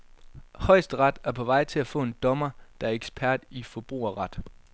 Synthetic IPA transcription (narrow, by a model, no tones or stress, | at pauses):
hɒ̽ɪsd̥ʁɑd̥æɐpʰɒ̽ʋɑ̈ɪ̰t͡sʰe̝læfɔ̰̽ːe̝nd̥ɒ̽mɐd̥ɑ̈æɐeɡ̥sb̥ʰæɐ̰d̥ifɒ̽b̥ʁṵːɐʁɑ̈d̥